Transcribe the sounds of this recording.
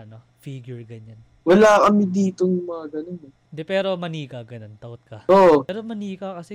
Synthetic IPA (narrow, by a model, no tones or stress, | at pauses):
ɐno | fiːɡjʊɹɡɐɲan | wɐlaːkɐmɪd̪iːt̪oŋmɐŋaɡɐnonɛ | ɪnd̪ɛpɛːɾo̞mɐniːkɐɡɐnont̪ɐʔot̪̚kɐoʔɛɾomɐniːkɐkɐsɛ